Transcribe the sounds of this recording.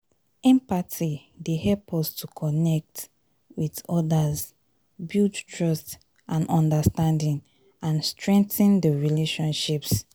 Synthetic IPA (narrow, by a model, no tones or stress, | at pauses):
ɛ̃mpatʰidehɛlpʰɔstʰukʰɔnɛk̚t | wiðɔdaz | bittʰɹɔst | ʔãnɔ̃ndastãndĩn | ãnstɹɛ̃ŋk̚θə̃ndəɹileʃɔ̃nʃips